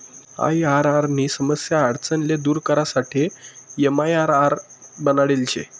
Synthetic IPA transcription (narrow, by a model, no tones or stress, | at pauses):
a̰jaɾaɾniːsəməsjaːɽt͡sənled̪uːɾkəɾasaʈʰejemajaɾaɾbənaɽelt͡ɕḛ